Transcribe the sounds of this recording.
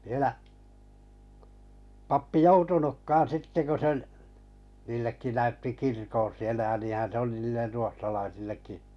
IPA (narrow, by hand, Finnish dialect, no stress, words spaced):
ʋiĕlæ pɑpːi joutunukːɑːn sitːe ku se ŏl niːlːekːi næytːi kirkon̞ sielæ jɑ niːhæn̞ se oli niːlːer ruohtɑlɑisilːekːi